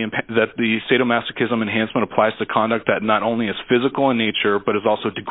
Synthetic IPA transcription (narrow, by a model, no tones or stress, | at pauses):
ɨ̃mpʰðɨt̪̚ðɨseɪɾoʊmæsɨkʰɪzə̃mɨ̃nɦæ̃nsmə̃ɾ̃təpʰl̥aɪz̥tʰɨkʰɑ̃ndɨk̚t̪̚ðɨtⁿnəɾõʊ̃nliɨz̥fɪzɨkl̩ˠə̃nːeɪt͡ʃə˞bʌɾɨzɔlˠsoʊdɨɡ